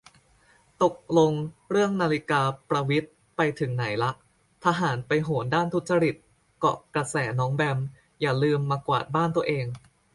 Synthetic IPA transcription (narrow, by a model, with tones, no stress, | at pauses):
t̪o˨˩k̚lo˧ŋɾɯ˥˩əŋnaː˧li˦˥kaː˧pɾa˧wi˦˥t̪̚ | pa˧jt̪ʰɯ˩˦ŋna˩˦jla˦˥ʔ | t̪ʰa˧ɦaː˩˦npa˧jɦoː˩˦ndaː˥˩nt̪ʰu˦˥t̪̚t͡ɕa˧ɾi˨˩t̪̚ | kɔ̰˨˩kɾa˧sɛː˩˦nɔː˦˥ŋbɛ˧m | jaː˨˩lɯː˧mːaː˧kwa̰ː˨˩t̪̚baː˥˩nt̪u˧əʔeː˧ŋ